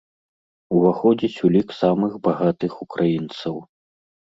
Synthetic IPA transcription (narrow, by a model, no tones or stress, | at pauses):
uvaxɔd͡zʲit͡sʲulʲiksamɨxbaɣat̪ɨxukɾʔajint̪sɐw